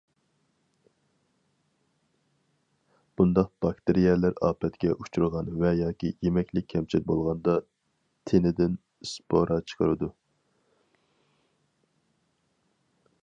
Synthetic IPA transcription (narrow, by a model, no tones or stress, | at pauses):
b̥und̪ɑq̚b̥ɑkt̪ɪɾijɛlæɾɑ̰ːpʰɛt̪kʲɛʔut͡ʃʰuɾʁɑnvɛjɑːkʲijemɛkʲlɪk̚ʲʰːɛmt͡ʃʰiɾ̚bolˠʁɑnd̪ɑ | t̪ʰenɪd̪ɪn | spʰoɾɑt͡ʃʰə̥qʰəɾɨd̪u